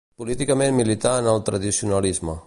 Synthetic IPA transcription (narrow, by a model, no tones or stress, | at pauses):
pulit̪ikəmenmːilit̪aənəlˠt̪ɾəðisiunəlizmə